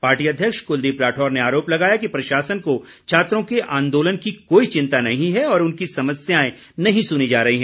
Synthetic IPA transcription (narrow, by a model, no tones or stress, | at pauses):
paːɾʈiːɐd̪ʱjəkʃkʊld̪iːpɾaːʈʰɔːɾneaːɾoːplɐɡaːjakipɾɐʃaːsənko | t͡ʃʰaːt̪ɾõkeʔãːnd̪oːlənkikoːit͡ʃɪ̃nt̪anɐɦĩɦɛɔːɾʊnkisɐməsjaːẽ | nɐɦĩsʊnid͡ʒaːɾɐɦiɦɛ̃ː